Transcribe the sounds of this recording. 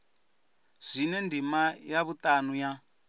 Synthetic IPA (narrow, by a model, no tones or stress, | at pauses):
z̥ʷinɛndimajaβutʼanuja